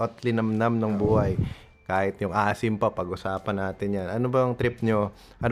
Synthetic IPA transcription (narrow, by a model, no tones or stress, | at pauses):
ʔɐt̪lɪnɐmnamnɐŋbuːhɐj | kaːhɪt̪jʊŋʔaːsɪmpɐpɐɡʔʊsaːpɐnːaːt̪ɪnjanʔɐnobɐɐŋt̪ɾɪp̚ɲo | ʔɐn